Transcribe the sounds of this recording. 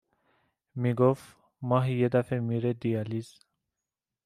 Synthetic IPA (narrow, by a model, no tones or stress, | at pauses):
miɡof | maɦijed̪afemiɾed̪ijaliz